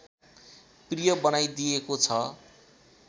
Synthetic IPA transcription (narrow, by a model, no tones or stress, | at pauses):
prijʌbʌnajd̪ijekot͡sʰʌ